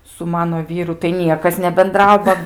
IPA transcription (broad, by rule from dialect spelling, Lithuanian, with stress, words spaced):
sʊ ˈmɑːnoː ˈʋʲiːrʊ tɐɪ ˈnʲiɛkɐs nʲɛbʲɛnˈdrɐʊ ˈbɐ